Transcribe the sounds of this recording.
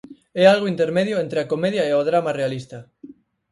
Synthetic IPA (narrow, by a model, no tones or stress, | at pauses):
ealɣ̞oint̪eɾmeð̞joent̪ɾeakomeð̞jaeoð̞ɾamarealist̪a